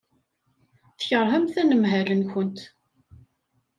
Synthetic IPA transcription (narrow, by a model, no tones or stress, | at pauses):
θəçəɾˤɦæmθænəmɦælənçʊnt̪